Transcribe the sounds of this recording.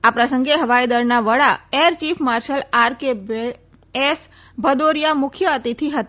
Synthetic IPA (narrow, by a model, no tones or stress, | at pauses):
apɾəsəŋɡeɦəʋajd̪əɾnaʋəɭaeɾt͡ʃifʰmaɾʃəlaɾkebe | es | bʱəd̪oɾijamʊkʰjəət̪it̪ʰiɦət̪a